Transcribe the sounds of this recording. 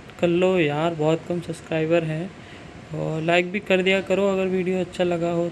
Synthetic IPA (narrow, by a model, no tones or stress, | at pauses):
kɐlːojɐɦãːɾbɔːt̪̚kɐmsɐpskɾaːɪbəɾɦɛ̃ | ɔːɾlaːɪk̚bʱikɐɾd̪ijakɐɾoɐɡəɾʋiːɖijoɐtːʃʰalɐɡaɦo